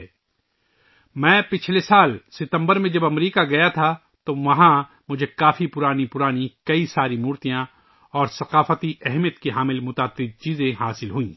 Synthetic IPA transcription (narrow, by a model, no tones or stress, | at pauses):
mɛ̃ːpɪt͡ʃʰlesaːlsɪt̪ə̃mbəɾmẽd͡ʒɐbɐmɾiːkaɡɐjat̪ʰa | t̪oʋɐɦã | mʊd͡ʒʱekaːfipʊɾaːnipʊɾaːnikɐisaːɾimuːɾt̪ijã | ɔːɾsɐqaːfət̪iɛɦmijət̪kiɦaːmɪlmʊt̪aːt̪ːɪb̚t͡ʃiːzẽɦaːsɪlɦuĩː